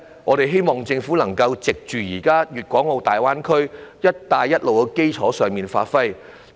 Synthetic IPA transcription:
ŋɔː˨˧ɾe˨jɦe˥jmɔː˨ŋt͡sɪ˧ŋfuː˨˥lɐ˨˩ŋkɐ˧wt͡sɪ˨k̚t͡ʃyː˨jiː˨˩kaː˥jyː˨˩t̚kʷɔː˨˥ŋo˨˧wt̪aː˨˩jwaː˥nkʰɵ˥ɥjɐ˥t̚t̪aː˧jːɐ˥t̚lo˨wkɛ˧ke˥jt͡sʰɔː˨˥sœː˨ŋmiː˨nfa̰ː˧tfɐ˥j

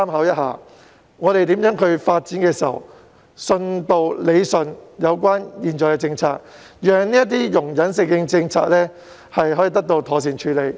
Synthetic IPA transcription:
saː˥mɦɐ˨˥wjɐ˥t̚ha̰ː˨˩ | ŋɔː˨˧ɾe˨jt̪iː˨˥mjœː˨˥ŋkʰɵ˨˧ɥfaː˧t̚t͡siː˨˥nkɛː˧si˨ɐ̰˨˩w | sɵ˧nt̪o˨˧wle˨˧jsɵ˨njɐ˨˧wk̬ʷaː˥njiː˨˩nt͡ʃɔː˨˩kɛː˧t͡sɪ˧ŋt͡sʰaː˧k̚ | jyː˨œːɐ˨ŋniː˥ɐ˥t̪̬iː˥jʊ˨˩ŋjɐ˨˥nsɪ˧ŋːɪ˧ŋt͡sɪ˧ŋt͡sʰa̰ː˧˥k̚lɛː˥ | hɐ˨jhɔː˨˥jiː˨˧˩t̪ɐ˥k̚t̪o˧wt̪ʰɔː˨˩s̬iː˨˩nt͡ʃʰyː˨˧le˨˧j

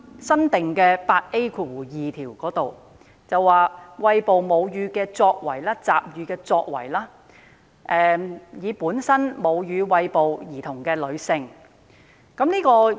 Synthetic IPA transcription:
sɐ˥nt̪ɪ˨ŋkɛː˧paː˧t̚ʔe˥kʰu˨˩jiː˨t̪ʰiː˨˩wkɔː˨˥t̪o˨˩w | t͡sɐ˨waː˨˩wɐ˧jpo˨wmo˨˧wjyː˨˧kɛː˧t͡sɔː˧k̚wɐ˨˩jlaː˥t͡sa̰ː˨p̚jyː˨˧kɛː˧t͡sɔː˧k̚wɐ̰˨˩jlaː˥ | ʔɛː˨jiː˨˧puː˨˥nsɐ˥nmo˨˧wjyː˨˧wɐ˧jpo˨wjiː˨˩t̪ʰʊ˨˩ŋkɛː˧lɵ˨˧ɥsɪ˨˧ŋ | kɐ˨˥mniː˥kɔː˧

